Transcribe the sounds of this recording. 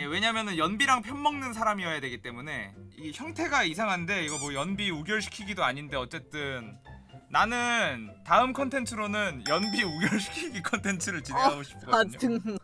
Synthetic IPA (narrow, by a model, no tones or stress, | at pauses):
je̞we̞ɲamjʌnɯnjʌnbiɾaŋpʰjʌnmʌŋnɯnsʰaɾamiʌjadwe̞ɡit͈e̞mune̞içjʌŋtʰe̞ɡaisʰaŋɦande̞iɡʌmwʌjʌnbiuɡjʌɭɕʰi̥kʰiɡidoaɲinde̞ʌt͡ɕ͈e̞t͈ɯnːanɯntaɯmkʰʌntʰe̞ntʰɯɾonɯnjʌnbiuɡjʌɭɕʰi̥kʰiɡikʰʌntʰe̞ntʰɯɾɯɭt͡ɕinaɡoɕʰi̥p̚k͈ʌɲo